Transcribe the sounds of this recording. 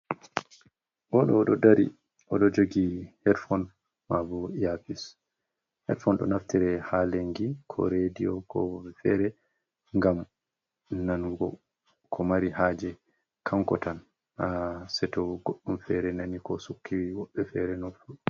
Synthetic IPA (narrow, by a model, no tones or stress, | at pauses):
ʔɔɗɔːɗɔdaɾḭ | ʔɔɗɔd͡ʒoɡihɛɾfɔn | mavujafis | hɛ̰ɾfɔnɗɔ̰naftiɾɛhaleŋɡikʰɔ̰ɾedijɔkɔfɛɾɛ | ŋɡam | nanɡɔ | kʰɔmaɾihaːd͡ʒɛ | kʰamkɔ̰tan | asɛtɔɡoɗːumfɛɾɛnanikɔsukʰːiwiwɔɓːɛfɛɾɛnofu